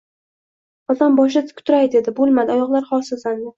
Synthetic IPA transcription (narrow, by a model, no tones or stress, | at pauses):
ɒzanbɒʃ̬ɪt̪kʰʊ̥t̪ʰʊɾajd̪e̞d̪ɪbolˠmad̪ɪɒjɒʁlˠaɾχɒsɪzand̪ɪ